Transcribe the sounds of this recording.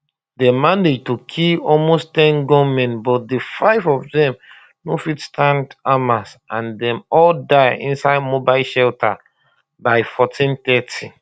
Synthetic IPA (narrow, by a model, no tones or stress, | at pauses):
dɛmãned͡ʒtokʰilɔlmostɛ̃nɡɔmɛ̃nbɔt̚defaɪvɔvdɛ̃m | nofitstʰãndamasʔãndɛ̃mɔldaɪḭ̃nsaɪdmobaɪlʃɛltʰa | baɪfɔtʰĩntɛtʰi